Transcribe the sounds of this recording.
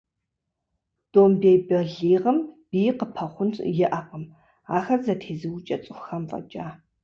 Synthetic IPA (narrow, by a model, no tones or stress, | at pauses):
d̥oːmbeːjbɐɮiːʁɐmb̥iːjqəpʰɐχʷʊntʰjɪʔɐqʼəm | aːxɐzɐtʰeːzɨwʊt͡ʃʼɐt͡sʼɨxxɐmfʼɐ̰t͡ʃʼaː